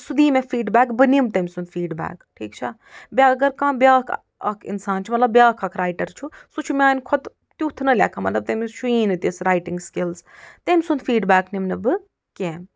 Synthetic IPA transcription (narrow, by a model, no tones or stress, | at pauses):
sud̪iːmẽfiːɖbæːkbɨnimt̪ɐmʲsund̪fiːɖba̰ːkʈʰiːkt͡ʃʰa | bʲaɡɐɾkãːbjaːkʰ | ɐ̰kʰḭnsaːnt͡ʃʰumɐt̪lɐbːjaːkʰɐkʰɾaːjʈɐɾt͡ʃʰusut͡ʃʰumʲãːnkʰɔt̪ | t̪jut̪ʰnɐlʲa̰ːkʰamɐt̪lɐb̚t̪ɐmiʃuiːnɨt̪isɾaːjʈiŋɡskilzt̪emʲsund̪fiːɖbaːknimnɐbɨ | kẽːm